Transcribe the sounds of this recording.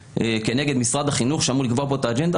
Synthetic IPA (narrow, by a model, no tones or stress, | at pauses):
ekeneɡe̞d̪misʁad̪aχinuχʃeamulikvopo̞t̪aːd͡ʒend̪a